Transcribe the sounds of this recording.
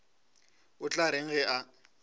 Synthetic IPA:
ʊt͡ɬʼaɾeŋ̩ɣɛʔa

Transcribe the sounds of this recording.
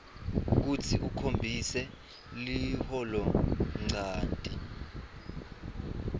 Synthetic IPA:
k̬utʰiʔukʰombʱisɛ | lihɔlɔŋ͡ǀaːntʼi

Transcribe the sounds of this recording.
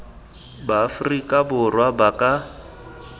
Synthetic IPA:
baːfrikʼabʊrwabakʼa

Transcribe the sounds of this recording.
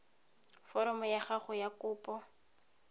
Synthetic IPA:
fɔɾɔmɔjaχaχʊjakʊːpʼɔ

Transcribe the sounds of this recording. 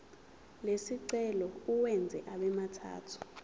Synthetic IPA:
lesiǀɛlɔuwɛnd͡zʱɛ̰ʔaɓɛmatʰa̰ːtʰu̥

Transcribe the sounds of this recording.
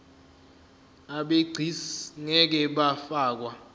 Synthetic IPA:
aɓeɡ͡ǀʱisŋɛk̬ɛɓafaːk̬wa

